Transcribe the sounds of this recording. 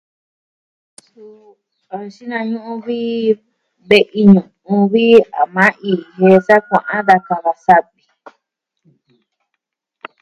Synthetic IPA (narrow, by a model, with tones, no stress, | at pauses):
su˧ | a˧ʃi˦nã˧ɲũ˦ʔũ˧βi˦ | be˧ʔi˧ɲũ˨ | ũ˧βi˦a˨mã˦ʔi˧he˧sa˦kʷã˨ʔã˦ða˧ka˧βa˧sa˦βi̥˨